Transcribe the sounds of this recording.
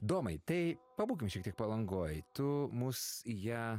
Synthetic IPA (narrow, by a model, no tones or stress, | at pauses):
d̪oːmɐɪt̪ɐɪpɐbuːkʲɪmʃʲiɛkt̪ʲiɛk̚pɐlˠɐŋɡoːjt̪ʊmʊsjæː